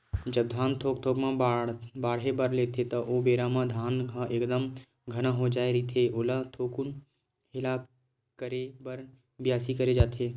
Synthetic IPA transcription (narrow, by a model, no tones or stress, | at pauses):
d͡ʒəb̚d̪ʱaːnt̪ʰoːkt̪ʰoːkmãabaːɽebəɾleːt̪ʰet̪ɐʔoːbeːɾamãd̪ʱaːnãʔeːkd̪əm | ɡʱənãɦod͡ʒaːeɾit̪ʰeoːlat̪ʰoːkun | ɦɪla | kəɾebəɾ | bɪjaːsikɐɾed͡ʒaːt̪ʰeː